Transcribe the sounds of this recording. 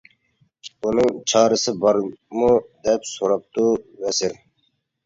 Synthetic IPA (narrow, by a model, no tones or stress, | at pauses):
unɨŋt͡ʃʰɑːɾɨsɪbɑɾmud̪ɛpsoɾɑp̚t̪uvɛsɪɾ